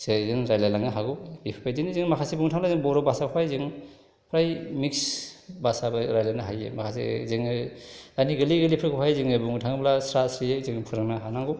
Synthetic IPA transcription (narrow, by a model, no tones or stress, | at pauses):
sezɯŋɾajlajlaŋɯɦaɡulipʰapʰajzinizɯŋmakʰasibuŋtʰaŋblazɯŋbɔɾɔbasakʰpʰajzɯŋ | pʰɾajmiksbasabɯɾajlanɯɦajḛmakʰasḛziŋɯdaniɡɯliɡɯlipʰɾakʰpʰajzɯŋɯbuŋtʰaŋblasɾasɾiezɯŋpʰɯɾɯŋnaɦanaŋɡu